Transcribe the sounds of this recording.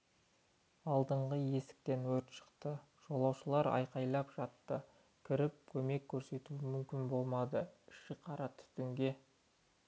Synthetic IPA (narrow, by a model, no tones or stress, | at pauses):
ɑlˠd̪əɴʁəje̞sɪ̥k̚t̪e̞nwɵɾt̪ʃə̥qt̪ə | ʒ̥o̞lˠɑwʃəlˠɑɾɑ̰jqɑjlˠɑpʒ̥ɑt̪ːə | kʲʰɪɾɪp̚kʲʰɵme̞kʲʰːɵɾse̞t̪uɪmʏmkʲɪnbo̞lˠmɑd̪əɪʃɪqʰɑɾɑt̪ʰʏ̥t̪ɪŋɡʲe̞